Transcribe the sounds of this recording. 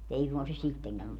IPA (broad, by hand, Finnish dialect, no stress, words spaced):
mut ei suŋkɑn se sitːeŋkæn